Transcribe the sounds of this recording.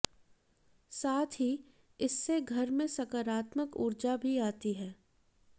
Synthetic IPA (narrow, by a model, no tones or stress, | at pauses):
saːt̪ʰi | ɪsːeɡʱɐɾmẽsɐkəɾaːt̪məkʊ̰ɾd͡ʒabʱiaːt̪iɦɛː